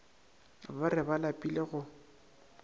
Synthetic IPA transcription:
barɪbalapʼileɣʊ

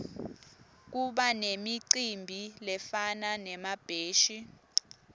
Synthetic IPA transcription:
k̬uɓanemiǀimbʱilɛfananɛmab̥ʱeːʃi

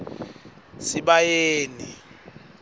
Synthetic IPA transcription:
siɓajeːni

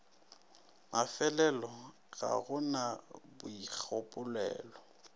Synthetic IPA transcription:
mafɛlɛlɔ | ɣa̰ɣʊnabʊik͡xʰopʼʊlɛ̰ːlɔ

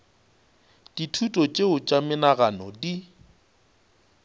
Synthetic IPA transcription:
d̥itʰutʼɔt͡ʃʼeʊt͡ʃʼamɪnaɣanɔdi

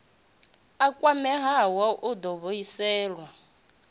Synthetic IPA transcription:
akʼwamɛɦawaʔud̪ɔβoisɛːlwa

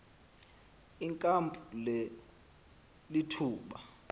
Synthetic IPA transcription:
iŋkʼampʼulɛ | litʰuːɓa̰

